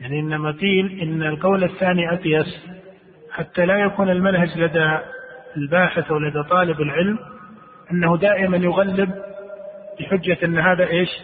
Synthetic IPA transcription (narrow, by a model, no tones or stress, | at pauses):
jaʕniʔɪnːamaqiːlʔɪnːalqɑwlɪθːaːniʔɑqjɑs | ħat̪ːalajakuːnɪlmanhad͡ʒlad̪aɪlbaːħɪθawlad̪at̪ˤɑːlɪbɪlʕɪlm | ʔanːahud̪aːʔɪmanjʊɣalːɪb̚ | bɪħʊd͡ʒːaʔɪnːɦaːðaʔeːʃ